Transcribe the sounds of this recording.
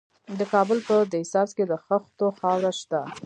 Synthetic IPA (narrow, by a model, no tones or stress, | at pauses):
d̪əkɑbəlpəd̪əɪsɑbked̪əxəxt̪oxɑwɾaʃt̪a